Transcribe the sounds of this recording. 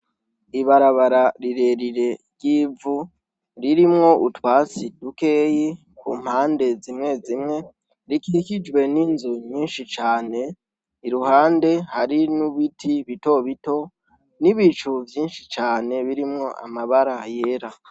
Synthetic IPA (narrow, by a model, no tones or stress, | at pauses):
iβaɾaβaɾaɾiɾe̞ɾiɾe̞ɾɟjiːvu | ɾiɾimŋo̞ʔutwaːt͡sid̥uke̞ːji | kṵːm̥haːnde̞zimŋe̞zimŋe̞ | ɾikiɾikid͡ʒɡwe̞ninzoɲiːnʃit͡ʃaːne̞ | iɾuhaːnde̞haɾinuβitʰiβito̞βito̞ | niβit͡ʃuvjiːnʃit͡ʃaːne̞βiɾimŋo̞ʔa̰maβaɾaje̞ɾa